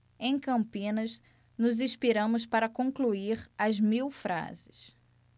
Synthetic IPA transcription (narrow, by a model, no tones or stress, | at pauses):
ẽj̃kɐ̃mpĩnɐz | nʊzĩʃpiɾɐ̃mʊs̬paɾɐkõŋkluiɾɐzmiwfɾa̰zɪs